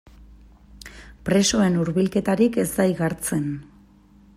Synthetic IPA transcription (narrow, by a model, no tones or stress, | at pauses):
pɾe̞so̞e̞nuɾβilke̞t̪aɾike̞zd̪ajɣaɾt͡se̞n